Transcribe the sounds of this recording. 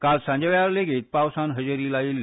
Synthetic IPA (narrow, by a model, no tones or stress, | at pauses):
kalsãɲd͡ʑeʋjaɾleɡiːt̪̚pawsanɦəd͡ʑeɾiːlaiːl